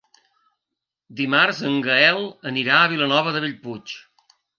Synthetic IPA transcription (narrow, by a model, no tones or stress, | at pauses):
d̪imaɾzəŋɡəɛlˠəniɾaəβ̞ilənɔβ̞əðəβ̞iʎput͡ʃ